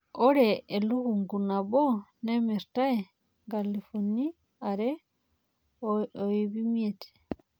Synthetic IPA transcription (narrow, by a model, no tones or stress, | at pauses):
oɾeːluhuŋɡunaβonemiɾtae | ŋɡalifuni | aɾe | oiβimjeti̥